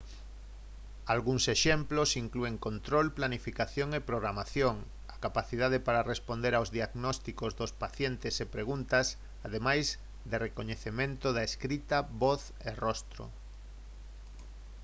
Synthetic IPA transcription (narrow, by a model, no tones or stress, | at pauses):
alɣuŋseʃemplosiŋklueŋkont̪ɾolplanifikaθjoŋepɾoɣɾamaθjoŋ | akapaθiðaðepaɾarespond̪eɾawzðiaɣnɔst̪ikozðospaθjent̪esepɾeɣ̞unt̪ɐs | aðemajz | d̪erekoɲeθemẽnt̪ʊðaeskɾit̪aβoθ | erɔst̪ɾo̰